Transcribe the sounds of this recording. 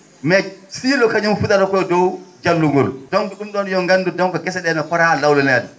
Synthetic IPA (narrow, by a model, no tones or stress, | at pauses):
mɛsiːlɔkad͡ʒamfutaɾakɔjdɔwd͡ʒalːuŋɡɔldɔnduɗumɗɔnjɔŋɡandudɔŋkɔkɛsɛɗɛnɔkɔɾalawlɛnadɛ